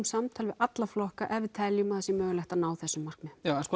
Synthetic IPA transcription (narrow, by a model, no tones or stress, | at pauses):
msamt̪ʰaːlɪvɪðat̪laflɔhkaʔɛvɪt̪ʰɛljʏmaðsjɛmœːɣʏlɛht̪anaːwθɛsːʏmːar̥knɪjaɛnskɔ